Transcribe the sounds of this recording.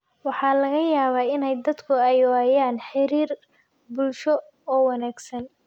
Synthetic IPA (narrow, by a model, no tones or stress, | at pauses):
wɑħɑːlɐɣɐjaːβaːɪnɛjd̪ɐd̪kʰʊɛjaːjaːnħɪɾiːr | bʊlʃɔ | ɔːwɑnaːɡsɐn